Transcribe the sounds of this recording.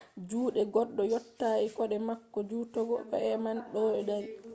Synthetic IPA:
d͡ʒuːɗɛɡɔɗːɔjɔtːaikɔɗɛmakːɔd͡ʒuːtɔɡɔkɔ̰ɛmanɗɔɗɛɗan

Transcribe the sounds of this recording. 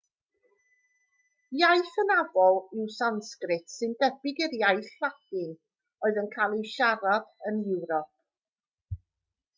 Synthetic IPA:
jajθənavɔlˠɪwsanskrɪtsɨndɛbɪɡɪrjajθad̥ɪŋ | ɔɨðənkʰaːlˠɪwʃaɾad̥ənjɪwɾɔp̚ʰ

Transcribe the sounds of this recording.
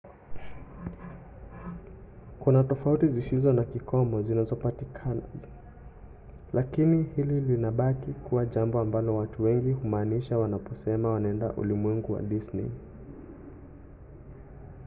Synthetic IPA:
kunatɔfautizisizɔnakikʰɔmɔzinazɔpatikʰana̰ | lʔakinihililinaɓakikuwaʄambɔambalɔwatuwɛŋɡihumaːniʃawanapɔsɛmawanaɛnda̰ʔṵlimwɛŋɡuwa̰ɗisnɛ̰

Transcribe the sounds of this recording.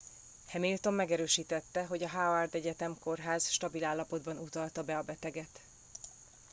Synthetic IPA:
hɛmilt̪o̞mːɛɡɛɾøːʃiːt̪ɛt̪ːɛɦo̞ɟɒɦaːvɛrd̪ɛɟɛt̪ɛmko̞rɦaːzʃt̪ɒbilaːlːɒpo̞d̪bɒnut̪ɒlt̪ɒbɛɒbɛt̪ɛɡɛt̪

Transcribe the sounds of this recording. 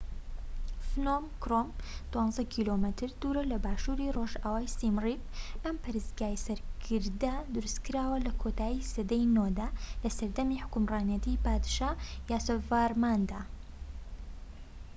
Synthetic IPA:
fnomkɾomd̪̥wɑnzɐkʰiːlomət̪ʰɨɾd̪uɾɐlɐbaːʃuːɾiroʒaːwaːjsimrib̚ɐmpʰɐɾɨsɡaːjsɐɾkʰɨɾd̪ɐd̪ʊɾuskɨɾaːwɐlɐkʰot̪aːjisɐd̪ejnod̪alɐsɐɾd̪ɐmiħʊ̥kʊmraːnijɐt̪ʰipaːd̪ʃaːjaːsɐvaːɾmaːnd̪aː

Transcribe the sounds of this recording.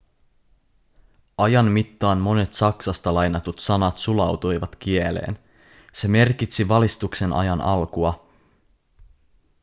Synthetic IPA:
ʔɑjɑnmit̪ːɑːnmo̞ne̞t̪sɑksɑst̪ɑlɑjnɑt̪ut̪sɑnɑt̪sulɑwt̪ujʋɑt̪k̟ielḛːn | se̞me̞rkit̪siʋɑlist̪ukse̞nʔɑ̰jɑnɑlkuɑ

